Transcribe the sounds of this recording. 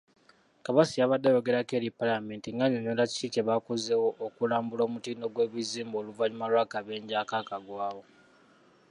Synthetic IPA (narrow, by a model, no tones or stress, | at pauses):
kaβasijaβadːajo̞ɡe̞ɾake̞ːɾipalame̞ːntiŋɡaɲoɲolaci̥t͡ʃiceβakozewoʔːkulaːmbulo̞ːmutiːno̞ɡwe̞βiziːmbo̞ːluvaɲumalwakaβe̞ːɲɟakakaɡwaːwo